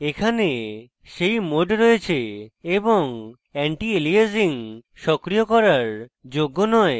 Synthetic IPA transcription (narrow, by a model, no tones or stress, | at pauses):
ekʰane | ʃejmoɖɾoet͡ɕʰeeboŋ | ɛɳʈielieziŋ | ʃɔkɾijokɔɾaɾd͡ʑoɡːonɔe